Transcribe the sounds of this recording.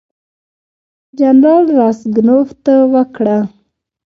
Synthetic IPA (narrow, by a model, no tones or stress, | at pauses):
d͡ʒanɾɑlɾɑsɡnoft̪awəkɽa